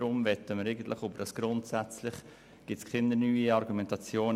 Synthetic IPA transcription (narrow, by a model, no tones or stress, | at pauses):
ɾʊmvɛt̪əməɾeɪɡən̩t̪lɪχobəɾdɑsɡ̥ɾʊntsæt͡slɪχ | ɡ̥ɪtskχɪnənyːiɑɾɡumɛntɑt͡sjoːn